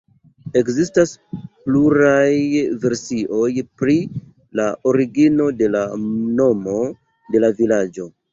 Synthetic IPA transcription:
e̞kzistaspluɾajve̞ɾsiʔo̞jpɾi | laʔoɾiɡino̞de̞lano̞mo̞ | de̞lavilad͡ʒo̞

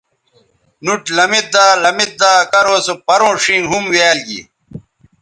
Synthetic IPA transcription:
nuʈlɐmit̪̚d̪aːlɐmit̪̚d̪aːkɐɾoːsopɐɾõːʂĩːŋɦumweːlɡḭ

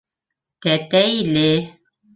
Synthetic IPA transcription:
t̪ɛt̪ɛjle

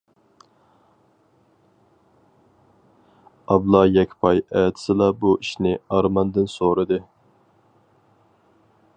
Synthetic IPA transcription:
ɑblˠɑjɛkʲʰpʰɑjɛːt̪ʰɪ̥sɨlˠɑbuiʃnɪɑɾmɑnd̪ɨnsoɾɨd̪ɨ

